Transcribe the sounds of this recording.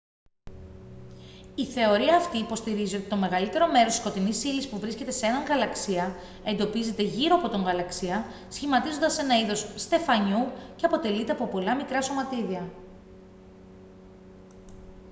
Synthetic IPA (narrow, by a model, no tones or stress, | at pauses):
iθe̞o̞ɾiɐːft̪iːpo̞st̪iɾizio̞t̪i̥t̪o̞me̞ɣɐlit̪e̞ɾo̞me̞ɾosi̥skot̪inisilispuvɾisce̞t̪e̞see̞nɐŋɣɐlɐksiɐ | e̞nd̪o̞pize̞t̪e̞ʝiɾo̞ɐpo̞t̪oŋɣɐlɐksiɐ | sçimɐt̪izo̞nd̪ɐse̞nɐiðo̞sːt̪e̞fɐɲuce̞ɐpo̞t̪e̞lit̪e̞ɐpo̞po̞lɐmikɾɐso̞mɐt̪iðiɐ